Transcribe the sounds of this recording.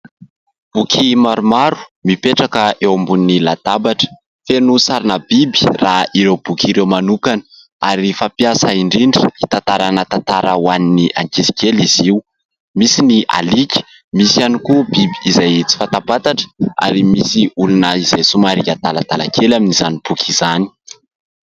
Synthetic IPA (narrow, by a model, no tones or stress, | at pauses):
b̥ukʰimaɾumaɾu̥mipeʈ͡ʂakəewambunnilat̪abaʈ͡ʂə̥ | fenusaɾinəbibi̥raiɾewb̥ukʲiɾewmanukanə | aɾifapiasəiɳɖ͡ʐiɳɖ͡ʐi̥it̪ant̪aɾanət̪ant̪aɾəwaniniʔaŋkisi̥keliziu | misiniʔa̰likʲi̥ | misianikubibiːzajt͡si̥fant̪apat̪aʈ͡ʂə̥a̰ɾimisiulunəizajsumaɾikʲat̪alat̪ala̰kʰelaminizanib̥ukʲʰiz̥ani̥